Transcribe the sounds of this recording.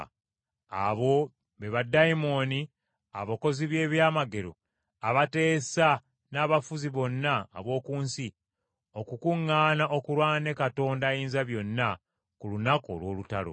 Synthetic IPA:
a̰βo̞ | βeβadaimo̞ni | aβoko̞ziβje̞ːβjaːmaɡe̞ɾo̞̰ | aβate̞ːsa | naːβafuziβo̞nːa̰ːβo̞ːkuːnsi | okukuŋːaːnaʔo̞kuɾwaːne̞kato̞ːndajiːnzaβjo̞nːa | kulunako̞̰lwo̞ːlutalo̰

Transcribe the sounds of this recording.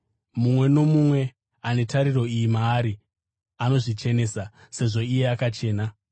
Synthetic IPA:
mumwe̞no̞mumwe̞ | ane̞taɾiro̞ijimaːɾi | ano̞ʐit͡ʃe̞ne̞ːsa | se̞ʐo̞ije̞akat͡ʃe̞ːna

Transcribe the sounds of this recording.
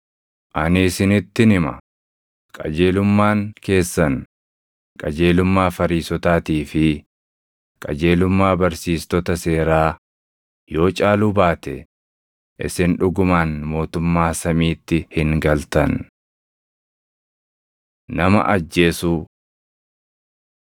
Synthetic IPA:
ʔɐnɪsɪnɪt̪ːɪnɪmɐ̰ | kʼɐ̰d͡ʒe̞ːlʊmːaːŋke̞ːsːɐn | kʼɐd͡ʒe̞ːlʊmːaːfɐɾiːsɔt̪aːt̪iːfɪ | kʼɐd͡ʒe̞ːlʊmːaːbɐɾsiːst̪ɔt̪ɐse̞ːɾaː | jo̞ːt͡ʃʼaːlubaːt̪ɛ | ʔɪ̰sɪnᶑʊɡʊmaːnmo̞ːt̪ʊmːaːsɐmiːt̪ːɪhɪŋɡɐlt̪ɐn | nɐmɐ̰ʔɐd͡ʒːe̞ːsuː

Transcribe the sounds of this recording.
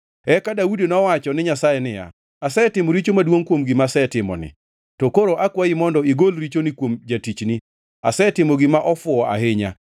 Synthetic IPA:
ɛkadaudenɔwat͡ʃɔnɪɲasajɛnɪja̰ | asɛtɪmɔɾit͡ʃomadwoŋkwomɡɪmasɛtɪmɔ̰nɪ̰ | tɔkoɾoʔakwaimɔndɔiɡolɾit͡ʃonikwomd͡ʒatit͡ʃni | a̰sɛtɪmɔɡɪmaʔɔfʊɔa̰heɲa̰

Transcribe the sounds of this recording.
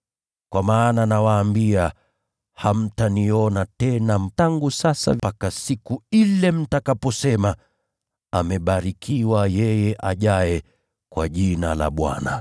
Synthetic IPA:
kwʔamaːnanawaːmbia | ham̩taniɔnatɛnam̩taŋɡusasa̰akasikuilɛm̩takapɔsɛma | amɛɓaɾikʰiwajɛjɛʔaʄajɛ | kwa̰ʄinala̰ɓwa̰na

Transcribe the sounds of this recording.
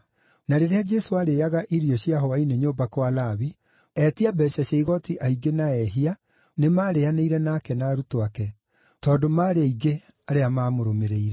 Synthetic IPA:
naɾeɾead͡ʒɛsoaɾeːaɣaʔiɾiɔɕjaɦoaineɲoːbakoalaβi | ɛtiabɛɕaɕɛiɣɔtiʔaiɡenaɛɦia | nemaːɾeaneiɾɛnaːkɛnaːɾutoakɛ | tɔːdomaːɾeaiɡe | aɾeamaːmoɾomeɾeiɾɛ

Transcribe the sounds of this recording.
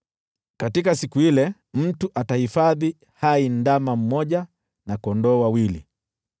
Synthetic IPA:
katikasikuilɛ | m̩tuʔatahifaði | haindamam̩mɔʄa | nakɔndɔːwawilḭ

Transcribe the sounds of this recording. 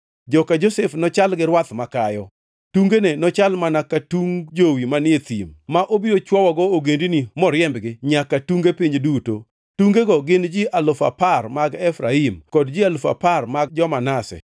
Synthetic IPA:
d͡ʒɔkad͡ʒosɛfnɔt͡ʃalɡɪɾwat̪makajɔ | tuŋɡenenɔt͡ʃalmanakatuŋd͡ʒowimanɪet̪ḭmmaʔobiɾot͡ʃwɔwɔɡɔoɡendinimɔɾjɛmbɡɪɲakatuŋɡepiɲduto̰ | tuŋɡeɡɔɡɪnd͡ʒiʔalʊfa̰parmaɡɛfɾaimkɔdd͡ʒialfa̰parmaɡ̚d͡ʒɔmanasɛ̰

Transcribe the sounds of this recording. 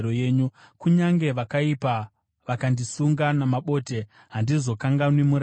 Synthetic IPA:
ojeːɲu | kuɲaŋɡe̞ʋakaipa | ʋakandisuŋɡanamaɓo̞ːte̞ | ɦandizo̞kaŋɡanwemuɾ

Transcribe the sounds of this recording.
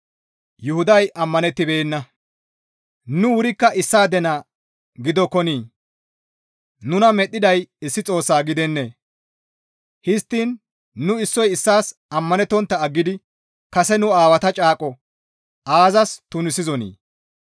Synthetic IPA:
jʊhʊd̪ɐjʔɐmːɐnɛt̪ːɪbeːnːɐ | nʊwʊɾɪkːɐʔɪsːaːd̪ɛnaː | ɡɪd̪ɔkɔniː | nʊnɐmɛɗːɪd̪ɐjɪsːɪt͡sʼo̞ːsːaːɡɪd̪ɛnːeː | hɪst̪ːiːnː | ʊɪsːɔjɪsːaːsɐmːɐnɛt̪ːɔnt̪ːɐːɡːɪd̪ɪ | kɐsɛnʊaːwɐt̪ɐt͡ʃʼaːkʼɔ | ʔaːzɐst̪ʊnɪsɪzɔnḭː

